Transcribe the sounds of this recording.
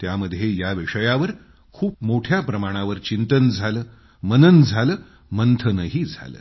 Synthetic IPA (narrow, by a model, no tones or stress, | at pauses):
t̪jaməd̪ʱjejaʋiʂəjaʋəɾ | kʰuːp̚moʈʰjapɾəmaɽ̃aʋəɾt͡ɕint̪ənd͡zʱaləː | mənənd͡zʱaləː | mənt̪ʰənəɦiːd͡zʱa̰lə̰ː